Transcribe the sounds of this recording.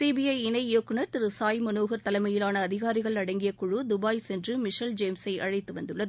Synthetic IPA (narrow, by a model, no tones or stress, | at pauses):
siːbijɐɪɪnɐɪjoːkːɯɳɐɾt̪ɪɾɯsaːjmɐnoːɣɐɾt̪ɐlɐɪmɐjɪlaːnɐːðɪɣaːɾɪɣɐɭnɐɽɐŋɡɪjɐkʊɻɯd̪ʊbaːjsɛndrɯmɪʂɐld͡ʒeːmsɐɪʔɐɻɐɪt̪ːɯʋɐnd̪ɯɭːɐðɯ